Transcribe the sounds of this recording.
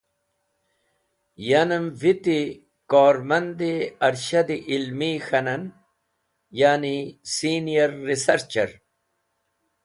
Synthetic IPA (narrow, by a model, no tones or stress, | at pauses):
janɐmvit̪i | koːɾmɐnd̪eɐɾɕɐd̪iʔilmixɐnɐn | jaːnisiːnijɐɾːisɐɾt͡ɕɐɾ